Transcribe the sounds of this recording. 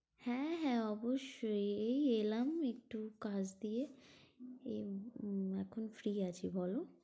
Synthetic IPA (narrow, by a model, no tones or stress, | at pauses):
hɛ̃ɦɛ̃ɔbuʃeeːlɐmek̚ʈukaːsd̪ie | e | ɛkʰʊnfɾiːat͡ʃibɔːlõ